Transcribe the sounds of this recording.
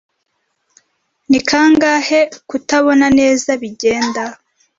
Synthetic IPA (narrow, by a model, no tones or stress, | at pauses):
nikʰaːŋɡahekutaβo̞nane̞ːzaβiɟe̞ːnda